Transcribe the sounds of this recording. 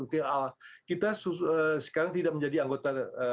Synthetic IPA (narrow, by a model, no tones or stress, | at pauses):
ut̪ialakit̪asuəsə̥kaɾaŋt̪idaʔ̚məɲd͡ʒadiaŋɡot̪aə